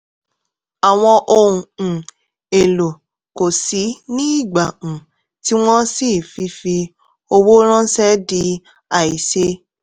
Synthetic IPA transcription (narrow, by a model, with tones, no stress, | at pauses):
a˨w̃ɔ̃˧ʔo˧ũ˨ | e˨lo˨ | ko˨si˨˦nĩ˦i˦˨ɡ͡bã˨ | ti˦w̃ɔ̃˦si˦˨fi˧˦fi˧ | o˧wo˦ɾ̃ã˦sɛ˦di˧˦ | a˦˨i˨se˧˦